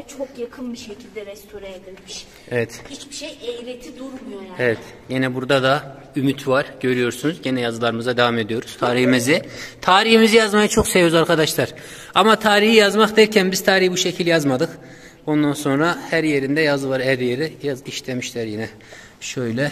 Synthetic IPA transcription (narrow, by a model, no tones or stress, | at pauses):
t͡ʃʰokjakʰɯnbiʃecʰilʲd̪ɛvɛsyɾɛed̪ilʲmiʃ | evɛt̪hit͡ʃbiʃejejɾet̪ʰid̪uɾmujoevɛt̪ | jenɛbuɾd̪ad̪a | ymyt̪ʰvaɾɟø̞ɾyjo̞ɾsunuzɟenɛjazɯlˠaɾɯmɯzad̪evame̞d̪ijo̞ɾuz̥t̪ʰaːɾihimizɪt̪ʰaːɾihimizijazmajat͡ʃʰo̞ksevjozaɾkʰad̪aʃlˠaɾ̥ | amat̪ʰaːɾihijazmaxd̪æɾcʰænbiz̥t̪ʰaːɾihbuʃecʰilʲjazmad̪ɯk | o̞nd̪anso̞nɾahæɾje̞ɾind̪ɛjazɯvaɾhæɾje̞ɾijaziʃt̪ʰemiʃlʲæɾjinɛ | ʃøjlʲɛ